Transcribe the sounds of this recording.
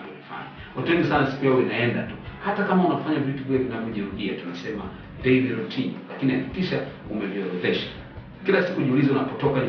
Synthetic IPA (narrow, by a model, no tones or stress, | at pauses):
fa̰ni | watuɛŋɡisanasi̥kujauinaɛndatuhatakamaunafaɲavjutuvujavinavɔʄɛɾuɗiatunasɛma̰ | dɛiviɾɔtʰimlakinihakikiʃa | umɛviɔɾɛðɛʃḁ | kilasikuʄiulizaunapɔtɔkaɲ